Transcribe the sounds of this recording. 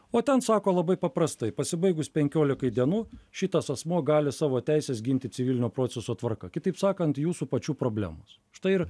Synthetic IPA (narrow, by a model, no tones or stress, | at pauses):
oːt̪ʲɛnsɑːkoːlˠɐbɐɪpɐpɾɐst̪ɐɪpɐsʲɪbɐɪɡʊspʲɛŋʲkʲoːlʲɪkɐɪd̪ʲiɛnuːʃʲɪt̪ɐsɐsmuɔɡɑːlʲɪsɑːʋoːt̪ʲæɪsʲɛs̬ɡʲɪnʲt̪ʲɪt̪t͡s̪ʲɪʋʲɪlʲnʲoːpɾoːsʲɛsoːt̪ʋɐɾkɐkʲɪt̪ɐɪpsɑːkɐnt̪juːsuːpɐt͡ʃʲuːpɾoːbʲlʲæ̰ːmo̰ːs | ʃt̪ɐɪɪɾ